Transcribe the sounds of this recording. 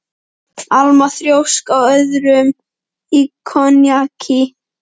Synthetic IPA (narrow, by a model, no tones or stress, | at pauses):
almaθɾjowskawœðɾʏm | ikʰɔnjakʰi